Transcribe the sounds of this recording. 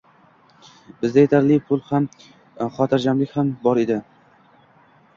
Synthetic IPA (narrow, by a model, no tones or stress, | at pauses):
bɪzd̪ajet̪ʰaɾlɪpʰʊlˠham | χɒt̪ʰɪɾd͡ʒamlɪkʲhambɒɾed̪ɪ